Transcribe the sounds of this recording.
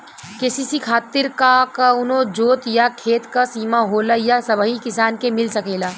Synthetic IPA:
kesisikʰaːt̪ɪɾkakəʊnod͡ʒoːt̪jakʰeːt̪kasiːmaɦoːlajasəbʱəɦĩkɪsaːnkemɪlsəkeːlaː

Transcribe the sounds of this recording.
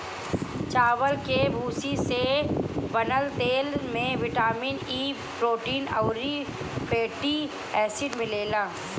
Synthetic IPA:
t͡ʃaːʋəlkebʱuːsisebɐnəlt̪eːlmẽʋɪʈaːmiːniː | pɾoːʈiːnɐːɾi | peːʈi | ɛːsɪɖmɪleːlaː

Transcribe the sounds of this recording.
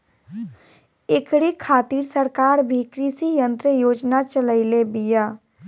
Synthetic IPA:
ekɽikʰːaːt̪iːɾsəɾkaːɾbʱikɾisijə̃nt̪ɾəjoːd͡ʒnat͡ʃələɪlebija

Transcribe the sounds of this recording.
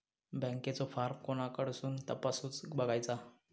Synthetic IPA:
bə̃ŋket͡sɔfaɾmkonakəɽ̤suːnt̪əpasuːt͡sbəɡajt͡sa

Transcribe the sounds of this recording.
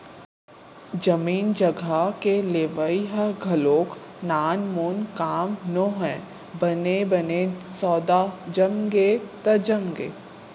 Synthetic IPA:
d͡ʒɐmiːnd͡ʒɐɡʱakeleːʋəiɦəɡʱɐloːknaːnmoːnkaːmnõɦɛ̃ː | bɐnebɐnesɔːd̪ad͡ʒɐmɡet̪ɐd͡ʒɐmɡḛː

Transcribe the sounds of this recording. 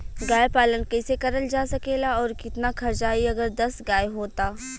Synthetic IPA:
ɡaːjpaːlənkɛːsekɐɾəld͡ʒaːsɐkeːlaɔːɾkɪt̪nakʰɐɾt͡ʃaːiɐɡəɾd̪ɐsɡaːjɦoːt̪aː

